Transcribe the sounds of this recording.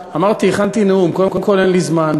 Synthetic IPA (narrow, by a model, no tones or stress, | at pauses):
amaʁt̪ieχant̪ineumkodekomko̞lenlizman